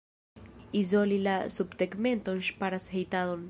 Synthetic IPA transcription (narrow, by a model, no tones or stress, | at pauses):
izolilasubt̪ekment̪onʃpaɾashejt̪aðon